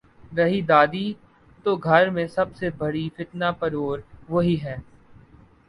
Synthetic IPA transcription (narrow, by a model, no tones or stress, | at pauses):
ɾɐɦid̪aːd̪i | t̪oɡʱɐɾmẽsɐbsebɐɽifɪt̪napɐɾoːɾʋoɦiɦɛː